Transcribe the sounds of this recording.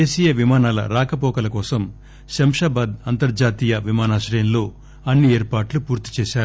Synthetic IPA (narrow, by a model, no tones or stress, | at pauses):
eːʃijɐʋimaːnaːlɐ̰ɾaːkɐpɔːkɐlɐkɔːsɐm | ʃɐmʂaːbaːd̪ɐnt̪ɐɾd͡ʒaːt̪iːjɐʋimaːnaːʃɾɐjɐnlo̞ː | ɐnːieːɾpaːʈlupuːɾt̪i̥t͡ʃɛːʃaːɾu